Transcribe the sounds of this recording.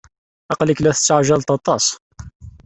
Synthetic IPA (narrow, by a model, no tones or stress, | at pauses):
ʔɑqləklæθə̥t͡sːaʕʒalt̪ˤɑt̪ˤɑsˤ